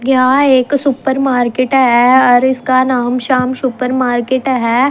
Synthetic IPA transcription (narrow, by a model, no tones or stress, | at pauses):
kɪɦãeːksʊpəɾmaːɾkeʈɦɛɔːɾɪskanaːmʃaːmsʊpəɾmaːɾkeʈɦɛː